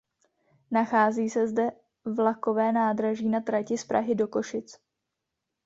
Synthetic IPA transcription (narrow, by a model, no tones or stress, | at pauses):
naxaːziːsɛzdɛ | vlako̞vɛːnaːd̪ɾaʒiːnat̪ɾacɪspɾa̰ɦɪdo̞ko̞ʃɪt͡s